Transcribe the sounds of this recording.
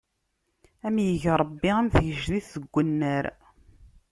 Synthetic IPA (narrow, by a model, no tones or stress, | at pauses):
æmjəʝɾˤəbːiæmθəʝəʒðiθəɡʷːənːəɾ